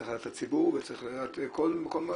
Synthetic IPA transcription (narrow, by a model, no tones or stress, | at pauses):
χajat̪at͡sibuʁvet͡sχlajot̪kolmakolma